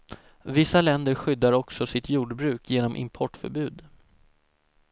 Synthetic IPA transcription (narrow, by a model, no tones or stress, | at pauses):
vɪsːalɛnd̪əɾɧʏd̪ːaɾɔksɔsɪt̪juːɖbɾʉ̟ːkʰjeːnɔmʔɪ̰mpʰɔʈfœ̰ɾbʉ̟ːd̪